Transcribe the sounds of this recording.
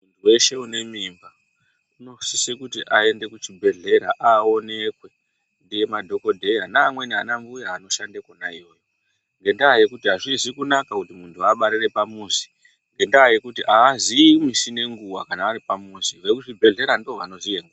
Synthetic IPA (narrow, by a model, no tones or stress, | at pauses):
muntʰuwe̞ʃe̞une̞mimba | uno̞sisekutiʔae̞nde̞kut͡ʃibʱe̞ɮe̞ɾaʔao̞ne̞kwe̞ | ndije̞madʱo̞ko̞dʱe̞janaːmwe̞nia̰nambujaːno̞ʃandekonaijo̞ːjo̞ | ŋɡe̞ndaːje̞kutiɦaʐizikunakakutimuntʰuaɓaɾire̞pamuːzi̥ | ŋɡe̞ndaːje̞kutiʔaːziimisine̞ŋɡuwakanaːɾipamuːziʋekuʐibʱe̞ɮe̞ɾandioʋano̞zijeŋɡua